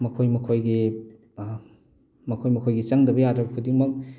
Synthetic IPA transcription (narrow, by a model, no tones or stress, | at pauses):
mɐkʰojmɐkʰojɡi | mɐkʰojmɐkʰojɡit͡ʃaŋdɐbɐjadɾɐbɐkʰudiŋmɐk̚